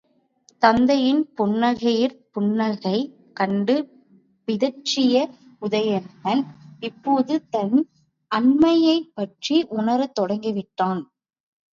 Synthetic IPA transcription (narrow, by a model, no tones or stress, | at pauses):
t̪ɐnd̪ɐjɪnpʊnːɐɣɐjɪɾpʊnːɐlɣɐɪ | kɐɳɖɯ | pɪðɐɾt͡ʃːɪjɐ | ʊðɐjɐnɣɐnɪpːoːðɯt̪ɐn | ʔɐɳmɐjɐɪpːɐʈriʔʊnɐɾɯt̪ːɔɽɐŋɡɪʋɪʈːaːn